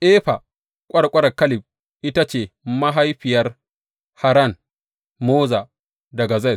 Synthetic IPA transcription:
ʔeː˦ɸa˨ | kʷʼɐ˦ɽkʷʼɐ˦ɾɐ˨kɐ˦lɪ˨b̚ | ʔɪ˦ta˦t͡ʃeː˨ma˦ɦa˦jɸɪ˨jɐ˦r | ha˨ɾɐ˦˨n | moː˦za˨ | dɐ˨ɡa˨za˦j

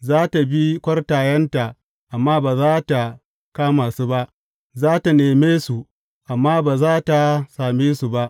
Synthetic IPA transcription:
zaː˦ta˨bi˦kʷɐ˦rtaː˨jɐ˦nta˨ | ʔa˨mːaː˦baː˨zaː˦ta˨ | kaː˦maː˨suː˦ba˦ʔ | zaː˦ta˨neː˨meː˦su˨ | ʔa˨mːaː˦baː˨zaː˦ta˨saː˨meː˦su˨ba˦ʔ

